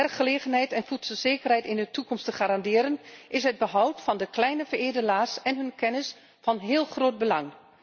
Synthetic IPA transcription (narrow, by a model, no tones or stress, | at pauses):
ɛrkχəleːɣənɦɛjtɛnfutsəlˠz̥eːkərhɛjtɪndətukɔmstəχaɾɑndɪəɾənʔɪsɦəd̚bəɦɔwtfɑndəklɛjnəvərɪːdənaːsɛnɦønkʰɛnɪs | fɑnɦɪːlˠxroːd̚bəlɑŋ